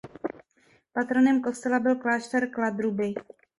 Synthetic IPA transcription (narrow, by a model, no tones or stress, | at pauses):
pat̪ɾonɛmko̞st̪ɛlabɪlklaːʃt̪ɛɾklad̪ɾubɪ